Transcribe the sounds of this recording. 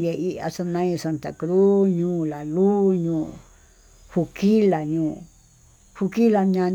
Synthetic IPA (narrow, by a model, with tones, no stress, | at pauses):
je˧i˦ʔa̰˧sa˧nã˦ĩ˧sa˧nt̪a̰˨kɾu˦ɲũː˦la˨lu˦ɲũː˧˨ | hu˧ki˦la˨ɲũː˧˨ | hu˧ki˦la˧ɲã˧